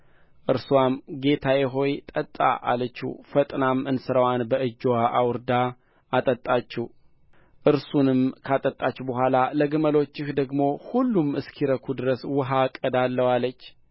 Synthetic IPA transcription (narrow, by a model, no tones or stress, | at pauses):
ʔɨɾswamɡe̞t̪ʰajɛɦo̞jt̪ʼət̪ʼːa̰ʔa̰lət͡ʃːṵfət̪ʼnamɨnsɨɾəwanbəʔɨd͡ʒwaʔawɨɾd̪a | at̪ʼət̪ʼːat͡ʃːɛ | ʔɨɾsunɨmkʰat̪ʼət̪ʼːat͡ʃːɛbəɦʷalaləɡɨməlo̞t͡ʃːɪhd̪əɡmo̞hulːumɨskʰiɾəkʰud̪ɨɾəswɨɦakʼəd̪alːəwalət͡ʃː